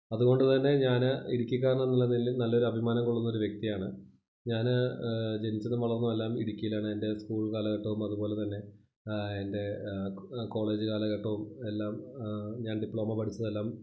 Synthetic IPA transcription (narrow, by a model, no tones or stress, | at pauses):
ɐðuɣo̞ɳɖɨt̪ɐnːe̞ɲaːnɨiɽikʲːik̬ːaːɾɐɳɐenːilːɐnilːnɐlːo̞ɾuɐbʱimaːnɐŋkuɭːunːoɾuʋje̞k̚t̪ijaːɳɨ | ɲaːnd͡ʑe̞nit͡ɕːɐnːɨmʋɐɭɐɾunːume̞lːaːmiɽikʲːijilaːɳɨende̞skuːɭkaːlɐkɐʈːɐʋumɐðubo̞ːle̞t̪ɐnːe̞ | ende̞ | ko̞ːɭe̞ːd͡ʑɨkaːlɐɣɐʈːɐʋume̞lːaːmɲaːnɖipɭo̞ːmɐpɐʈʰit͡ɕːɐðe̞lːaːm